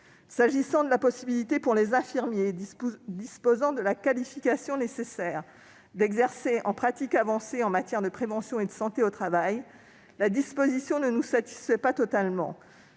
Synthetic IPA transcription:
saʒisɑ̃d̪əlapɔsibilit̪epuʁlezɛ̃fiʁmjed̪ispozɑ̃d̪əlakalifikasjɔ̃nesesɛːʁ | d̪ɛɡzɛʁseʔɑ̰̃pχat̪ikavɑ̃seɑ̃mat̪jɛʁd̪əpχevɑ̃sjɔ̃ed̪əsɑ̃t̪eot̪χavaj | lad̪ispozisjɔ̃nənusat̪i̥sfɛpat̪ɔt̪almɑ̰̃

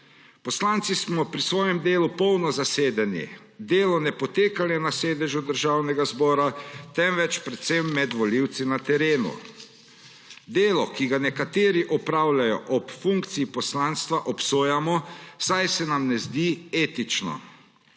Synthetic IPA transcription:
pɔslant̪sismɔpɾisʋɔːjɛmd̪eːlupɔwnɔzaseːd̪anḭ | d̪eːlɔnɛpɔt̪eːkalɛnaseːd̪ɛʒud̪əɾʒaːwnɛɡazbɔːɾat̪ɛmʋɛt͡ʃpɾɛt̪semːɛd̪ʋɔliwt̪sinat̪ɛɾeːnṵ | d̪eːlɔkiɡanɛkat̪eːɾiʔɔpɾaːwlajɔʔɔpfuŋk̚t̪siipɔslanst̪ʋaʔɔpsoːjamɔsajsɛnamnɛzd̪ieːt̪it͡ʃnɔ̰

